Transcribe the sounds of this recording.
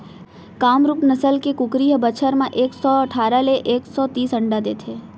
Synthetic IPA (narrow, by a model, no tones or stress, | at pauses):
kamɾupnəsəlkekʊkɾiɦəbət͡ʃʰəɾmãʔeksɔəʈʰaɾaleʔeksɔt̪iːsəɳɖad̪et̪ʰe